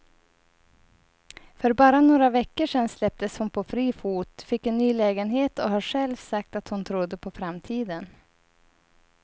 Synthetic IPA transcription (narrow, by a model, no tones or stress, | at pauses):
fœɾbɑːɾanoːɾavɛkːəʂɛnslɛp̚t̪əshʊnpʰɔfɾiːfuːt̪fɪkːɛnːyːlɛːɡənɦeːt̪ɔɦaɧɛlvsak̚t̪at̪hʊnt̪ʰɾʊd̪ːəpʰɔfɾamt̪ʰiːd̪ən